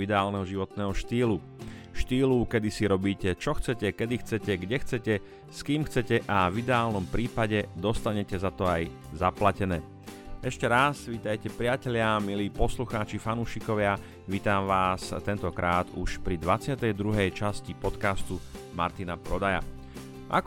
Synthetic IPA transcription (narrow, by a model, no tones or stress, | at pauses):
id̪ɛaːlnɛɦɔʒiʋɔt̪nɛːɦɔʃt̪iːlu | ʃt̪iːlukɛd̪isiɾɔbiːcɛt͡ʃɔxt͡sɛcɛkɛd̪ixt͡sɛcɛɡɟɛxt͡sɛcɛ | skiːmxt͡sɛcɛʔavid̪ɛaːlnɔmpɾiːpaɟɛd̪ɔst̪aɲɛcɛzat̪ɔaj | zaplacɛnɛː | ɛʃcɛɾasʋiːt̪ajcɛpɾɪacɛʎɪamiliːpɔsluxaːt͡ʃifanuːʃikɔʋɪa | ʋiːt̪aːmʋaːst̪ɛnt̪ɔkɾʔaːt̪uʃpɾid̪ʋat͡sɪat̪ɛjd̪ɾuɦɛjt͡ʃascipɔt̪kast̪uma̰ɾt̪inapɾɔd̪aja̰ | ʔa̰k